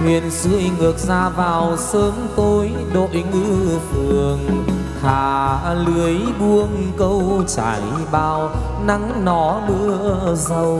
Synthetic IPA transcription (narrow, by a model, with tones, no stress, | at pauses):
hwḭ˨ənzɨ̰˧˥əjŋɨ˨˩ək̚zaː˧vaː˨˩wsəː˧˦ŋt̪o˧j | ɗo̰˧˨jŋɨ˧˥fɨ˨˩əəəŋ | haː˨˩lɨ˨˦əjɓu˧əŋkə˧wt͡ɕa̰ː˨˩˦j | ɓaː˨˩w | na˨˦ŋnɔ˨˦ɗɨ̰˧˥əzə˧w